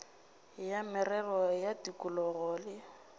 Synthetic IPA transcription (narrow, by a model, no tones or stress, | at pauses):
jamɪrɛlɔjadikʼʊlɔɣɔːlɪ